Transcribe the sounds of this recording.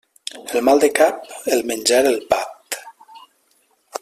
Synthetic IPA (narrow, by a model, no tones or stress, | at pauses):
elmalˠd̪ekap̚elˠmenʲd͡ʒaɾelˠpat̪